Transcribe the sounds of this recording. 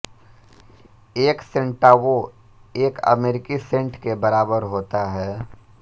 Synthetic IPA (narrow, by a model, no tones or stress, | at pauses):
eːksẽɳʈaːʋo | eːkɐ̰meːɾɪkisẽɳʈkebɐɾaːbəɾɦoːt̪aɦɛː